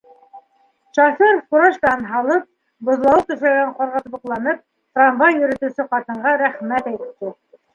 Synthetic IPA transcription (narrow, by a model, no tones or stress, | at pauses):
ʃɑfʲeɾfkuɾɑʃt̪ɑnɦɑlˠɤp̚ | bŏðlˠɑwɤt̪ɵ̆ʃlæɡæɴqŏɾʁɑt̪bɤ̆qlˠɑnɤp̚ | t̪ranvɑjjɵ̆ɾɵ̆t̪ɵ̆sɘqɑt̪ɤ̆ɴɢɑɾæχmæt̪æjt̪ɘ̥p̚t̪